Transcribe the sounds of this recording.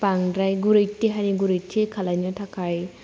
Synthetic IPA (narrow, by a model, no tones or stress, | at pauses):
paŋdɾajɡuɾejtːiɦaniɡuɾejtʰːikʰalajnɯtʰakʰaj